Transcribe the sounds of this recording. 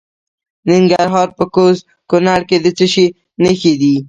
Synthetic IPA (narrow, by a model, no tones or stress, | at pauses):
nɪŋɡaɾɦɑɾpəkoz | kʊnaɽked̪ət͡səʃi | nəxed̪i